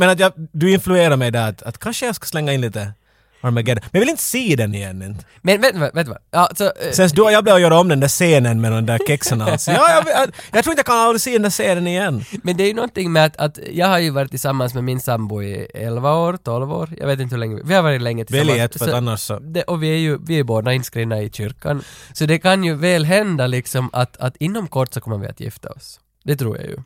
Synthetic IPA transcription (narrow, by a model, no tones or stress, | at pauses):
mɛnat̪jɑd̪ʉɪnflʉeːɾaɾmɛjd̪ɛɾat̪at̪kʰanʂəjɑskḁslɛŋːaɪnliːt̪ə | aɾmɛɡɛd̪əmɛjɑvɪlɪnt̪ə̥siːd̪ɛnɪjɛnːɪn | mɛnveːt̪nəʋʋeːt̪ːəʋa̰jɑːsɔsɛns̬d̪ʉjɑːbliːvɔjøːɾaɔmd̪ɛnd̪æːseːnənmɛd̪ɔmd̪æɾkʰɪksənasjɑːjɑvɪjɑɡt̪ɾuːɪnjakʰanald̪ɾɪsiːd̪ɛnd̪æːʂeːd̪ɛnɪjɛnːmɛnd̪ɛæɾjʉnɔnt̪ɪŋːmɛat̪at̪jɑːɡɦaɾjʉvɑɾɪt̪ʰːɪsamːansmɛmɪnsambʊɪ̰ɛlvaoːɾt̪ʰɔlvo̰ːɾjɑ̰ːɡʋeːt̪ɪnt̪əhʉlɛŋːəɪvɪhaɾvɑːɾɪt̪lɛŋːət̪ʰɪ̥vɛljɛt̪fɾanːaʂɔd̪ɛʔɔvɪæɾjʉvɪɛɾjʉboːd̪aɪnskɾiːvnaɪɕʏɾkːa̰nsɔd̪ɛkʰanjʉvɛːlɦɛnd̪alɪksɔma̰t̪ʰat̪ɪnːɔmkʰɔʈːsɔkʰɔmːəɾvɪ̰a̰t̪ʰjɪ̰ft̪a̰ɔ̰s | d̪̥ɛt̪ʰɾṵːɾja̰jʉ̰